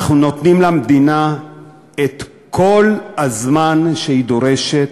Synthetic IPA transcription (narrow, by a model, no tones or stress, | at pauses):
χnuno̞t̪nimlamd̪ina | et̪ | kʰo̞lhazmanʃeid̪o̞ɾe̞ʃet